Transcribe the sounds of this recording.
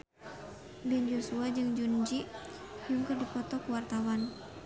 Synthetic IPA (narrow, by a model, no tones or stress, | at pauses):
bɛnd͡ʒosuad͡ʒɨŋd͡ʒund͡ʒiʔ | juŋkɨrdipɔt̪ɔkuwart̪awan